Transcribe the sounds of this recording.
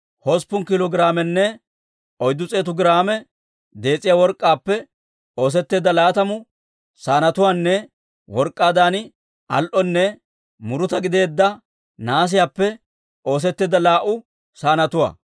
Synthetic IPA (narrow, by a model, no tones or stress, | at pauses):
hɔspʊnkɪlɔɡɪɾaːmɛnːɛ | ɔjd̪ːʊt͡sʼe̞ːt̪ʊɡɪɾaːmɛ | d̪e̞ːt͡sʼːɪjaːwɔɾkʼːaːpːɛ | o̞ːs̬ɛt̪ːe̞ːd̪ːɐlaːt̪ɐmʊ | saːnɐt̪ʊwaːnːɛ | wɔɾkʼːaːd̪aːnɪ | ɐ̰lʔɔnːɛ | mʊɾʊt̪ɐɡɪd̪e̞ːd̪ːɐ | naːs̬ɪjaːpːɛ | o̞ːs̬ɛt̪ːeːd̪ːɐlaːʔʊ | saːnɐt̪ʊwa̰ː